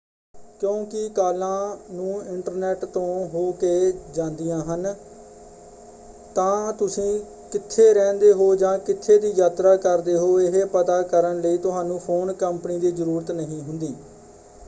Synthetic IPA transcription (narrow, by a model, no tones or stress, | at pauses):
kjõːkɪkaːlãːnũːɪɳʈəɾnɛːʈt̪õːɦoːkeːd͡ʒãːnd̪ijãːɦən | t̪ãːt̪ʊsĩː | kɪt̪ʰːeːɾɛ̃ːnd̪eːɦoːd͡ʒãːkɪt̪ʰːeːd̪iːjaːt̪ɾaːkəɾd̪eːɦoːɪɦepət̪aːkəɾənləiːt̪ʊsɦaːnũːpʰoːnkəmpəniːd̪iːzəɾuːɾət̪nəɦĩːɦʊnd̪iː